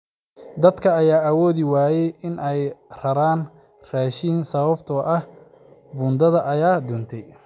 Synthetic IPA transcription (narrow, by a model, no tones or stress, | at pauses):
d̪ɐd̪kʰɐːjaːʔɐwɔːðɪwaːjɛjɪnʔɛjrɐɾaːn | raːʃiːnsɐβɐbt̪ʰɔːʔɐh | bʊːnd̪ɐðɐʔɐjaːd̪ɔːnt̪ʰɛj